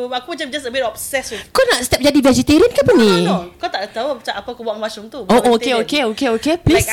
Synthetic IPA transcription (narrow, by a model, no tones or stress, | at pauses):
akumat͡ʃamd͡ʒasəbɪtɔpsɛswikonaʔst̪ɛp̚d͡ʒadivɛd͡ʒit̪iɾiənkapənikat̪aʔat̪auat͡ʃaʔapakobuaŋmat͡ʃʊmt̪uoʔokeokeokeokeplis